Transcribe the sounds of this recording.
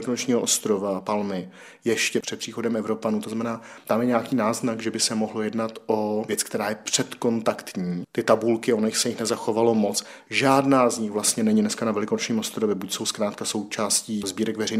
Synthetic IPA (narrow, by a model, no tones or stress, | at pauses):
lɪkonot͡ʃɲiːɦoʔost̪ɾovapalmɪ | jɛʃcɛpr̝̥ɛt̪̚pr̥iːxo̞dɛmɛvɾo̞panuːt̪oznamɛnaːt̪amjɛɲɛakiːnaːznaɡʒɛbɪsɛmoɦlojɛdnat̪ʔovjɛt͡sk̚t̪ɛɾaːjɛpr̥ɛt̪ko̞nt̪akt̪ɲiːt̪ɪt̪abulkɪonojɪxsɛjɪxnɛzaxo̞valo̞mo̞t͡s | ʒaːdnaːzɲɪxvlast̪ɲɛnɛɲɪdnɛskanavɛlɪkonot͡ʃɲiːmʔost̪ɾovjɛbucso̞wskɾaːt̪kaso̞wt͡ʃaːsciːzbiːɾɛkvɛrɛjn